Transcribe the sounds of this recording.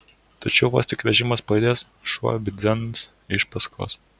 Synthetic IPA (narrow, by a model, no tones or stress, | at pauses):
t̪ɐt͡ʃʲɛʊʋoːst̪ʲɪkʋʲɛʒʲɪmɐspɐɪd̪ʲeːs | ʃuɔ̰bʲɪd̪zʲɛns | ɪʃpɐskʰo̰ːs